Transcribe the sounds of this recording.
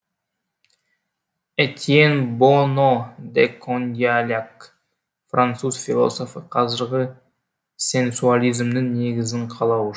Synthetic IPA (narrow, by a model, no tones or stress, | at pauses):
et̪ʲienbonod̪ekʰond̪ialʲak | frant̪suzfʲilˠo̞̰so̞fəqʰɑzɪɾʁə | se̞nsualʲijzmnɪŋne̞ɡʲɪzɪɴqʰɑlˠɑw